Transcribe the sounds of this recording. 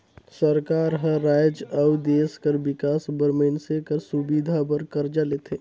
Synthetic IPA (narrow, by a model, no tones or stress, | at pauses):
səɾkaːɾɦəɾaːjd͡ʒəwd̪eːskəɾbɪkaːsbəɾmənsekəɾsʊbid̪ʱabəɾkəɾd͡ʒalet̪ʰeː